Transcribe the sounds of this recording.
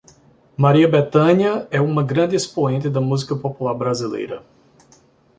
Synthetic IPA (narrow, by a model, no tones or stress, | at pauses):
maɾiɐbet̪ɐ̃ɲɐɛũmɐɡɾɐ̃nd̪ɪespoẽnt̪ɪd̪ɐmuzikɐpopulaɾbɾazilḛjɾɐ